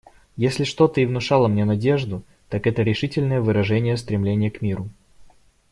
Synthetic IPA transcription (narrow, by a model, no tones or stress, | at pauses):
jesʲlʲɪʂt̪o̞t̪əɪvnʊʂɑlˠəmnʲenɐdʲe̞ʐd̪ʊ | t̪akɛt̪əɾʲɪʂɨtʲɪlʲnəjəvɨɾɐʐɛnʲɪjəst̪ɾʲɪmlʲenʲɪjəkmʲiɾʊ